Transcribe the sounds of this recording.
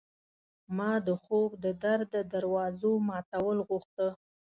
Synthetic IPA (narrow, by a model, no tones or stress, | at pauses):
mɑd̪əxobd̪əd̪aɾd̪əd̪aɾwɑzomɑt̪awəlɣuxt̪ə